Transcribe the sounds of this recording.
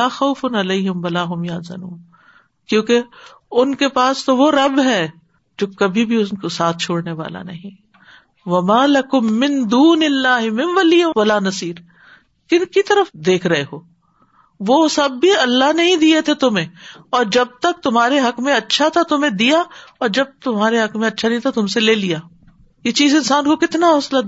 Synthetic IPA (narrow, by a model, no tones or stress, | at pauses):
laːxɐʊfʊnɐleɪɦɪmʋɐlaːɦʊmjɐzɐ̰nuːn | kjõːke | ʊnkepaːst̪oʋoɾɐbɦɛ | d͡ʒoːkɐbʱibʱiʊnkosaːt̪̚ʰt͡ʃʰoːɽneʋa̰ːla̰nɐɦĩ | ʋɐmaːlɐkʊmːɪ̃nd̪uːnɪlːaːɦɪmɪ̃nʋɐlijaʋɐlaːnɐsiːɾ | kɪnkit̪ɐɾəfd̪eːkʰɾɐɦeɦoː | ʋosɐbːiɐlːaɦnɐɦĩd̪iet̪ʰet̪ʊmẽːɔːɾd͡ʒɐb̚t̪ɐk̚t̪ʊmɦaːɾeɦɐkmẽɐtːʃʰat̪ʰat̪ʊmẽd̪ijaɔːɾd͡ʒɐb̚t̪ʊmɦaːɾeɦɐkmẽɐtːʃʰanɐɦĩt̪ʰat̪ʊmseleːlijaː | jet͡ʃiːzɪ̃nsaːnkokɪt̪naɦʊːsla